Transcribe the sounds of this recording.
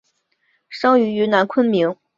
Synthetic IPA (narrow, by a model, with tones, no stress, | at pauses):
ʂɑ˥ŋy˧˥y˧˥na˧˥nkʰwə˥nmi˧˥ŋ